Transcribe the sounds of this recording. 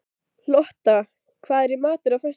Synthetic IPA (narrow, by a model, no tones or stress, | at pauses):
lɔht̪a | kʰvaːðɛɾɪmaːt̪ʏɾafœs